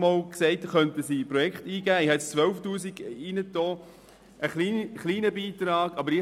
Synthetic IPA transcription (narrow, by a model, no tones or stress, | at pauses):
mɔːlksɛɪtχœntəsipɾɔjɛktiːɡæːɪhɛt͡sst͡sʋœlftuːsiɡiːnət̪oː | əχliːχliːnəbiːt̪ɾɑːɡ̥ɑbəɾɪ